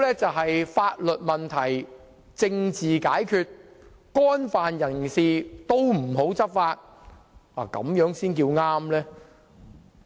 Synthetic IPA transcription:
lɛː˥t͡sɐ˨wɦɐ˨jfaː˧t̚lɵ˨t̚mɐ˨nt̪ʰɐ˨˩j | t͡sɪ˧ŋt͡siː˨kaː˨˥jkʰyː˧t̚ | kɔː˥nfaː˨njɐ˨˩nsiː˨t̪o˥wm̩˨˩ɦo˨˥wt͡sɐ˥p̚faː˧t̚ | aː˨˩kɐ̰˨˥mjœː˨˥ŋsiː˥nk̬iː˧wŋaː˥mlɛː˥

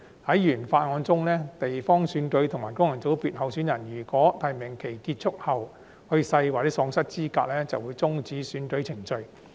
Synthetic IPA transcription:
hɐ˨˥jjyː˨˩nfaː˧t̚ŋɔː˨˧nt͡sʊ˥ŋlɛː˥t̪e˨jfɔː˥ŋsyː˨˧nkɵ˨˧ɥt̪ʰʊ˨˩ŋmaː˨˩jkʊ˥ŋjɐ˨˩ŋt͡so˨˥wpiː˨t̚hɐ˨˧wsyː˨˥njɐ˨˩njyː˨˩kɔː˨˥t̪ʰɐ˨˩jmɪ˨˩ŋkʰe˨˩jkiː˧t̚t͡ʃʰʊ˥k̚hɐ˨w | hɵ˧sɐ˧jwaː˨t͡sɛː˨˥sɔː˨˧ŋsɐ˥t̚t͡siː˥kaː˧k̚lɛː˥t͡sɐ˨wuː˨˧jt͡sʊ˥ŋt͡siː˨˥syː˨˥nkɵ˨˥ɥt͡sʰɪ˨˩ŋt͡ʃɵ˨˧ɥ

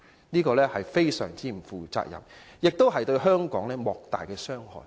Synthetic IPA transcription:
niː˥kɔː˧lɛː˥hɐ˨jfe˥jsœ̰ː˨˩ŋt͡siː˥m̩˨˩fuː˨t͡sa̰ː˧k̚jɐ̰˨˩m | jɪ˨k̚t̪o˥wɦɐ˨jt̪ɵ˧ɥɦœː˥ŋkɔː˨˥ŋlɛː˥mɔː˨k̚t̪a̰ː˨jkɛː˧sœː˥ŋhɔ̰ː˨˩j

